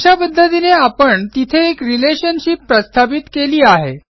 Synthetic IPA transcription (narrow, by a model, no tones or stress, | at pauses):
apəd̪ʱːət̪ineapəɳt̪it̪ʰeːkɾileɕənɕipːɾəst̪ʰapit̪keliːaɦḛ